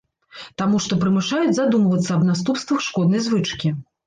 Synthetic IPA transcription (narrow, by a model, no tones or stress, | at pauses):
t̪amuʂt̪ɔpɾɨmɨʂajud͡zʲzad̪umvɐt̪sːɐːbnas̬t̪upst̪vɐxʂkɔd̪nɐjzvɨt͡ʂkʲi